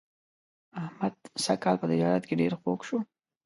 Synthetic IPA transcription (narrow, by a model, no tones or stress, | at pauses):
ahmad̪̥sakɑlpət̪ɪd͡ʒɑɾat̪keɖeɾxokʃo